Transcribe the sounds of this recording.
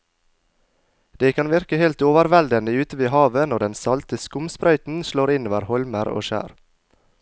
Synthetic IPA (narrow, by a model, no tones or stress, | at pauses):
d̪̥eːkʰɑnʋɪɾkəheːlt̪oːʋəɾʋɛld̪ənəʉːt̪əʋeːhɑːʋənɔɖɛnsɑlt̪əskʊmspɾœʏt̪n̩ʃloːɾɪnoːʋəɾhɔlməɾo̰ːʃæ̰ːɾ